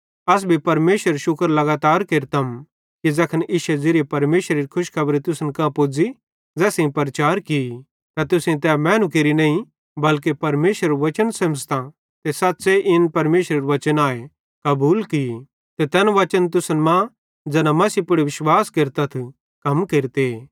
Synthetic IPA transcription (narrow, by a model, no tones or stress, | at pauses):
ɐs̬bʱipɐɾmeːʃɾəɾʃʊkəɾlɐɡaːt̪aːɾkeɾt̪ɐm | kid͡zɐkʰənʔiʃɛd͡zeɾepɐɾmeːʃɾeɾikʰʊʃkʰɐbɾit̪ʊsənkãpʊd͡zi | d͡zɛːsẽĩpɐɾt͡ʃaːɾki | t̪ɐt̪ʊsẽt̪ɛmɛ̃ːnũkeːɾinɐĩ | bɐlk̬epɐɾmeːʃɾɐɾʋɐt͡ʃənsɐ̃mst̪ã | t̪esɐt̪ːseʔɪnpɐɾmeːʃɾɐɾʋɐt͡ʃənaːe | kɐbuːlki | t̪et̪ɛːnʋɐt͡ʃənt̪̬ʊsənmã | d͡zɛːnãmɐsipʊɽiʋɪʃwaːskeɾt̪at̪ʰ | kɐmkeɾt̪e